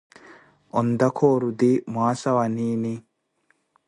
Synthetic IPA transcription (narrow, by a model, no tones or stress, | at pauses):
ʔɔnd̪ɐkʰoːɾud̪imaːsɐwɐniːni